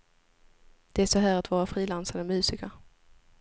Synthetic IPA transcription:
d̪̥ɛæʂɔɦæːɾat̪vɑːɾafɾiːlansaɾəmʉ̟ːsɪka

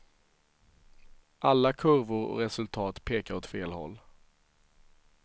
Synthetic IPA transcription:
ʔalːakʰɵɾvʊɾɔ̰ɾɛsɵlt̪ʰɑːt̪pʰeːkaɾɔt̪feːlhɔ̰lː

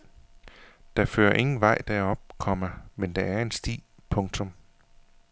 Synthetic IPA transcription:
d̥ɑ̈fø̰ːɐʔe̝ŋn̩ʋɑ̈ɪ̰d̥æɒ̽b̥̚kʰɒ̽m̰ɐmend̥ɑ̈æɐe̝nsd̥ḭː | pʰɔ̽ŋt͡sʰɔ̽m

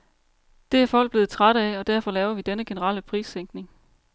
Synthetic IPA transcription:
d̥e̝æɐfɒ̽l̰ɡ̚b̥e̝ːð̩ˠt͡sʰʁɑɾ̥əæɒ̽d̥æɐfɒ̽lɛːʊɐʋid̥enəɡ̥e̝nəʁɑ̰̈ːləpʰʁḭːsːeŋ̰ɡ̥ne̝ŋ

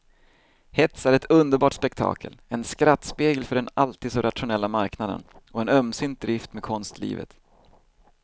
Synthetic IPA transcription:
hɛt̪sæɾɛt̪ʰɵnd̪əɾbɑːʈspɛkt̪ʰɑ̰ːkʰə̰lɛnskɾat̪ːspeːɡəlfœɖɛnalt̪iːd̪sɔɾʔat̪ɧʊnɛlːamaɾknad̪ə̰nɔɛnœmsʏnt̪̚d̪ɾɪft̪mekʰɔnst̪lḭːvə̰t̪

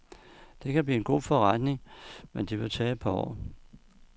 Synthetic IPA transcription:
d̥e̝kʰæb̥liːe̝nɡ̥o̝̰ːfɒʁad̥ne̝ŋmend̥eʋe̝t͡sʰɛ̥ːpʰɒɒ̰ː

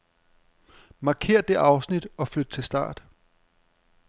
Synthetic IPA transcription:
mɑ̈kʰe̝̰ːɐ̰d̥e̝ʔɑ̈ʊsnid̥ɒ̽flød̥ət͡sʰe̝lsd̥ɑ̰̈ːd̥

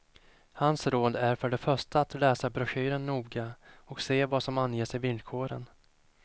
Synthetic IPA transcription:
hansɾoːd̪æɾfœɖɛfœʂʈaːt̪lɛːsabɾɵɧyːɾənːuːɡaɔkseːvasɔmanjeːsɪvɪnd̪̚kʰoːɾə̰n

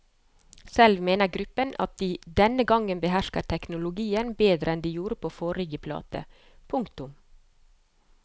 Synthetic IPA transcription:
sɛlʋmeːnəɾɡɾʉpənɑ̰t̪̚d̪iːd̪ɛnəɡɑŋənbəhæʃkət̪ʰɛknʊlʊɡiːənbeːd̪ɾəɛnd̪iːjuːɾəpʰoːfoːɾɪɡəpʰlɑ̰ːt̪ə̰ | pʰʊŋkt̪ʊm

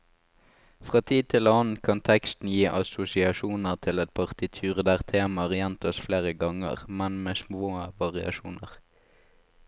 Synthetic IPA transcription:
fʁɑːt̪ʰiːd̪̚t̪ʰɪlɑn̩kʰɑnt̪ʰɛkst̪n̩jiːʔɑsʊsɪɑʃuːnəʁt̪ʰɪlɛt̪̚pʰɑʁt̪ʰɪt̪ʰʉːʁd̪æːʁt̪ʰeːmɑʁjɛnt̪ɔsfleːʁəɡɑŋə̰ʁmɛnmeːsmoːʋɑʁɪɑ̰ʃuːnə̰ʁ

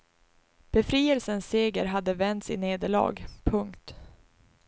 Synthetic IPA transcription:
b̥ɛfɾiːɛlsənseːɡəɾɦad̪ːəvɛnt̪sɪ̰neːd̪əɭɑ̰ːɡpʰɵŋkt̪

